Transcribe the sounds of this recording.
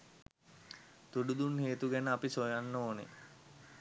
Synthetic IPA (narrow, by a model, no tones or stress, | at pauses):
t̪uɖud̪unheːt̪uɡænəapisojanːoːnḛ